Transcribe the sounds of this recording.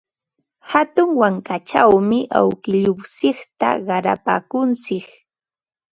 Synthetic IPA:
hat̪ʊŋwaŋkat͡ʃawmɪʔa̰wkɪʎʊwsɪχt̪a̰ɢɑɾa̰pa̰ːkʊnt͡sɪk

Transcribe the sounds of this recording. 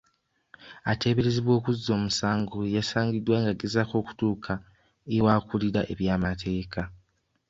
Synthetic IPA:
ate̞ːβe̞ɾeziβwo̞ːkuziːo̞ːmusaːŋɡojasaːɲɟidwaŋɡaɡezako̞ːku̥tuːkʰa | ewaːkuliɾaʔe̞βjaːmatʰe̞ːkʰa

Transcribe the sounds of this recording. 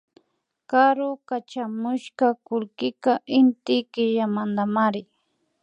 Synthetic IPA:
kaɾʊkat͡ʃamʊʃkakʊlkɪkaʔɪnt̪ɪkɪʒamand̪amaɾɪ

